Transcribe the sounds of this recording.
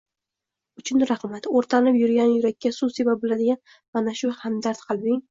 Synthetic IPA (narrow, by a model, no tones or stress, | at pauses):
ʊt͡ʃʰʊnɾaχmat̪oɾt̪ʰanɪpjʊɾɡʲanjʊɾakʲːasʊsebap̚bɪlad̪ɪɡʲan | manaʃʊhamd̪aɾt̪qʰɨlˠbɪŋ